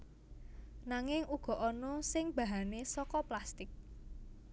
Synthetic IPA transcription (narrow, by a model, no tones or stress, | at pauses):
naŋɪŋuɡ̥ɔ̤ʔɔnɔsɪŋb̥ä̤ɦanesɔkɔplast̪ɪk̚